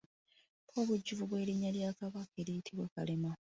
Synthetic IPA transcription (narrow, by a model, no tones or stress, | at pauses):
o̞ːβuɟːuvuβwe̞ːliɲːaljaːkaβake̞ɾijitʰiβwaka̰lema